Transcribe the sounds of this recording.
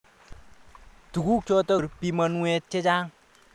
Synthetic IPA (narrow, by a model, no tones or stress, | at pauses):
d̪̥uɡukʰjot̪ʌɾpimʌnũet͡ɕʰed͡ʑaŋ